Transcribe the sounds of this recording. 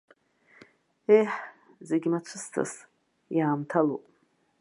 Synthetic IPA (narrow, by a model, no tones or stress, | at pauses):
ejħ | zeɡʲimat͡ʃʷʰɨstʰa̰s | jaːmtʰalo̰pʼ